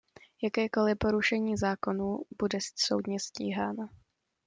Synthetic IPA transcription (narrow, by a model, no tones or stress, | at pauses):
jakɛːko̞lɪpo̞ɾuʃɛɲiːzaːko̞nuːb̥udɛssowdɲɛscḭːɦaːna